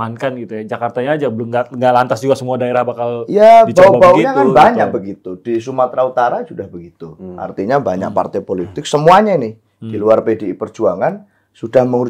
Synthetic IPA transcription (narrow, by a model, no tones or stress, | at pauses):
ankanɡit̪ujad͡ʒakart̪aɲaːd͡ʒabəlʊmɡaŋɡaʔlant̪asd͡ʒuɡasəmuadaeɾahbakaljabaubauɲakanbaɲak̚bəɡit̪udis̬umat̪ɾaut̪aɾasudahbəɡit̪uʔa̰rt̪iɲabaɲa̰k̚pa̰rt̪aepolit̪ɪk̚səmuaɲainɪh | d̥iluarpedeipərd͡ʒuaŋan | sudahməŋu